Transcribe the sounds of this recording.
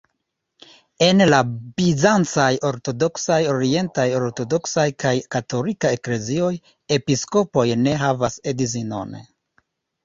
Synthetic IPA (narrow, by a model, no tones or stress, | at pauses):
e̞nlabizant͡sajo̞ɾto̞do̞ksajo̞ɾie̞ntajo̞ɾto̞do̞ksajkajkato̞likae̞kle̞zio̞j | e̞pisko̞po̞jne̞ɦavase̞dizino̰n